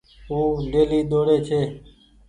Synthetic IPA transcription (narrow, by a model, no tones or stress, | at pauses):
uːɖeːliːd̪oːɽeːt͡ʃʰeː